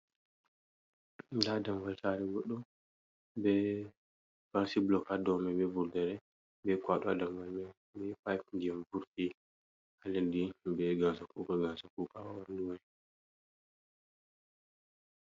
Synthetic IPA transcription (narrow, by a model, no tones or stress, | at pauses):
dadamvaltaɾɛɡɔɗːɔ | bɛ | faɾsiblɔkadɔmɛbɛvuɾdɛɾɛ | bɛkwaɗɔa̰damvalmɛ | bɛpajk̚ɡiɛmvuɾti | alɛndibɛɡasakukaɡasakukawawanduwa